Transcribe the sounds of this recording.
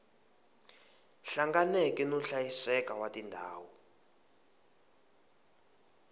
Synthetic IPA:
ɬaŋɡanɛkʼɛnɔɬajisɛkawatʼindʱaːwɔ

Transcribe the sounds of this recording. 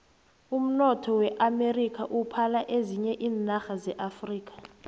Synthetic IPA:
um̩nɔtʰɔwɛʔamerikʼʰaʔupʰalaʔeziɲɛʔiːnaxazɛʔafriːk̬ʰʼḁ

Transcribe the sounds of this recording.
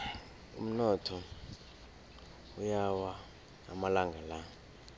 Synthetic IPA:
ṵm̩nɔtʰɔ | ujawa̰ː | malaŋɡʱala

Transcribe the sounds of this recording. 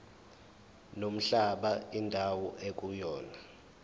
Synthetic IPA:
nom̩ɬaɓaindʱawɔʔek̬ʼujɔːna

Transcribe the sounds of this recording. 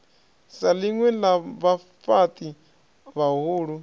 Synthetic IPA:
saliŋwɛlaβa | fat̪ʼi | βaɦuːɺu

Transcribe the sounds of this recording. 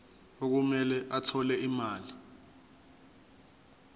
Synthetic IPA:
ok̬umɛlɛʔatʰɔlɛimaːli

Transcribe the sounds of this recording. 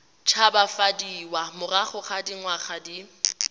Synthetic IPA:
t͡ʃʰabafadiːwamʊraχʊχadiŋwaχadi

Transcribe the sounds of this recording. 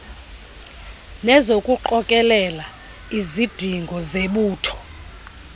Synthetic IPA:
nɛzokʼuǃɔkʼɛlɛla | izid̥ʱiŋɡʱɔzeɓuːtʰɔ̥

